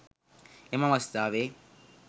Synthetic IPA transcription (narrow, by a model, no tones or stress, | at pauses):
ɛmamastaβɛ